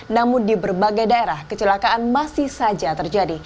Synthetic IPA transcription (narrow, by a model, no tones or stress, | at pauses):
namʊndibərbaɡajdaeɾahkət͡ʃəlakaʔanmasɪhsad͡ʒat̪ərd͡ʒadi